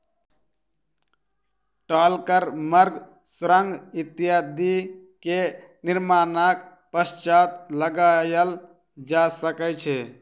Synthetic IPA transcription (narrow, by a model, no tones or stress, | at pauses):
ʈalkəɾməɾɡ | sɾəŋɡit̪ijad̪i | ke | niɾmanak | pəst͡ʃat̪ləɡajəl | d͡ʒasəkɛt͡ʃʰɛ